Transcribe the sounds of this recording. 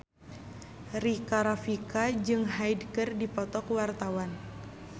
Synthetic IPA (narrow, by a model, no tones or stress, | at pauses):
rikaɾafikad͡ʒɨŋɦajdkɨrdipɔt̪ɔkwart̪awan